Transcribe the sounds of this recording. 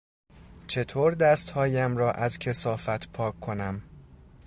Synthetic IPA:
t͡ʃʰe̞t̪ʰoːɾd̪æst̪hɒːjæmɾɒːʔæzcʰe̞sɒːfæt̪ʰpʰɒːkʰːo̞næm

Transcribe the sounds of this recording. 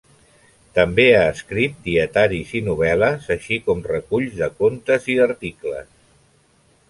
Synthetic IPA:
t̪əmbeaəskɾit̪̚d̪iət̪aɾizinuβ̞ɛləzəʃikɔmrəkuʎzðəkont̪əziðəɾt̪iklə̰s

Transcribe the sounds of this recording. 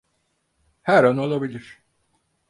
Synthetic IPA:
hæɾano̞lˠabilʲiɾ̥

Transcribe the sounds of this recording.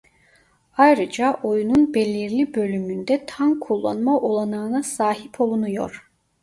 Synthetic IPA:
ajɾɯd͡ʒaʔo̞jununbelʲiɾlʲibø̞lʲymynd̪ɛt̪ʰankʰulˠːa̰nmaʔolˠanaːɯnasaːɦipʰo̞lˠunujo̞̰ɾ̥

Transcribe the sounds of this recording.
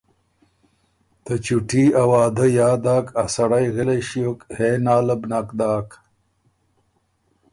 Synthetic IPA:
t̪ɐt͡ɕuʈiawaːd̪əjaːd̪aːkasɐɽajɣeleɕijokheːnaːləbnakd̪aːk

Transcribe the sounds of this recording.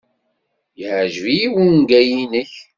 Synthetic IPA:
jəʕʒvijiwənɡæjinəç

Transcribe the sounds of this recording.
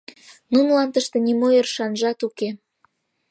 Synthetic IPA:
nunlɑnt̪əʃt̪ĕnʲimojərʃɑnʒɑt̪uke

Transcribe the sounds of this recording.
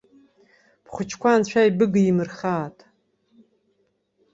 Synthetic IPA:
pχʷʊt͡ʃʰkʷant͡ɕʷʰᶣaibɨɡɨimɨrχaːtʼ

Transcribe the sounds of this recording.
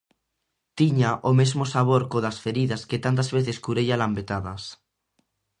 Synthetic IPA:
t̪iɲaʔomezmosaβ̞oɾkoðasfeɾiðasket̪ant̪̬azβeθeskuɾeʎalambet̪aðas

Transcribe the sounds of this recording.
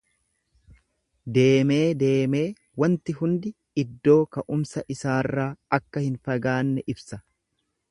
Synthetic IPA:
d̪e̞ːme̞ːd̪e̞ːme̞ː | wɐnt̪ɪɦʊnd̪ɪ | ɪd̪ːo̞ːkɐʔʊmsɐʔɪsaːrːaːɐkːɐhɪnfɐɡaːnːɛʔɪbsɐ

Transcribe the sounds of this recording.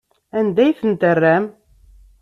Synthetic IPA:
ænd̪æjθənt̪ərːæm

